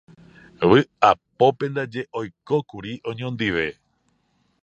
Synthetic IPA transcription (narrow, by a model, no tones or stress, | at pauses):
ʋɨapo̞pẽnd̪ad͡ʒe̞ʔojko̞kuɾiʔõɲõnd̪iʋe̞